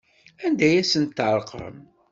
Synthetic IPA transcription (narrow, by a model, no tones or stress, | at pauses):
ænd̪æjæsənt̪ːʕɾˤqə̰m